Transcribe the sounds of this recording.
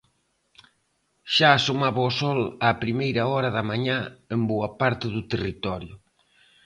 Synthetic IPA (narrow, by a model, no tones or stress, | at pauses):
ʃaːsomaβaʊsɔlaːpɾimejɾɐɔɾɐðɐmaɲaemboɐpaɾt̪ɪðʊt̪erit̪ɔɾjʊ